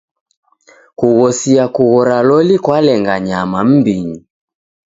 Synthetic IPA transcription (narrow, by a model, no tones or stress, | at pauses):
kuɣɔsiakuɣɔɾalɔlikwalɛŋɡaɲamam̩biɲi